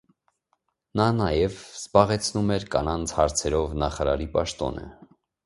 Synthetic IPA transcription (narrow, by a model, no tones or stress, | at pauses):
nɑnɑjɛvz̥bɑʁɛt͡sʰnumɛɾkɑnɑnt͡sʰhɑɾt͡sʰɛɾɔvnɑχɑɾɑ̰ɾipɑʃt̪ɔ̰nə̰